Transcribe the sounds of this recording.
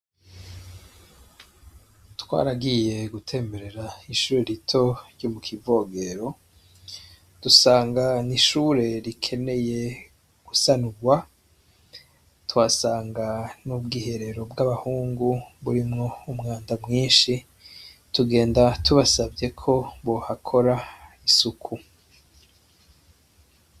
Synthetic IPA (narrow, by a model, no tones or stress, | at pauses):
twa̰ːɾaɡije̞ɡutʰe̞ːmbe̞ɾe̞ɾaiʃuːɾe̞ɾitʰo̞ɾjomukʰivo̞ːɡe̞ɾo̞ | d̥usaːŋɡaniʃuːɾe̞ɾikʰe̞ne̞je̞ | ɡ̥usanuɡwa | twasaːŋɡanubɡiːhe̞ɾe̞ɾo̞bɡaβahuːŋɡuβuɾimŋo̞umŋaːndamŋiːnʃi | tuɡe̞ːndatuβasabje̞kʰo̞βoːhakʰo̞ɾaisukʰu